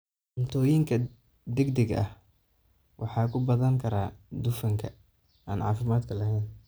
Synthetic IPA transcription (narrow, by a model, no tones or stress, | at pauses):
ʊmt̪ʰɔːjɪŋkʰɐ | d̪ɛɡd̪ɛɡɐ̰h | wʔɑ̰ħɑːkʰʊbɐðɐŋkʰɐɾaːd̪ʊfɐŋkʰɐ | aːnʕɑ̰ːfɪmaːd̪kʰɐlɐɦɛjn